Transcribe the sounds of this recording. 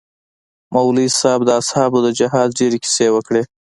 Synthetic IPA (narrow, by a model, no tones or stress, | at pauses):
mawlisɑb̚d̪əashɑbod̪əd͡ʒɪɦɑz̚ɖeɾiki̥sewəkɽe